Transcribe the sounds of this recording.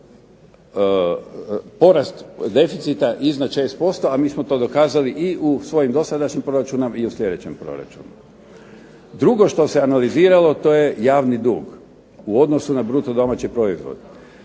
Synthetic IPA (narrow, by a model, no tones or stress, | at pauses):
po̞ɾast̪d̪e̞fit̪sit̪aʔiznad̪t͡ʃe̞ːst̪̚po̞st̪o̞amiːsmot̪o̞ːd̪o̞kaːzaliʔiʔusʋo̞jimd̪o̞sad̪aʃɲimpɾo̞ɾat͡ʃunomiuslʲe̞d̪et͡ɕempɾo̞̰ɾa̰t͡ʃṵnu | d̪ɾuɡo̞ʃt̪o̞se̞analiziːɾalo̞t̪o̞ːje̞jaːʋnid̪ṵːɡ | uo̞d̪no̞sunabɾut̪od̪o̞mat͡ɕipɾo̞izʋo̰d̪